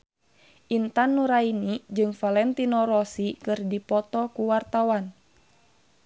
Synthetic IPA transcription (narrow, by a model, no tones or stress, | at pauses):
ʔint̪anːuɾainid͡ʒɨŋfalɛnt̪inɔɾɔsikɨrdipɔt̪ɔkuwart̪awan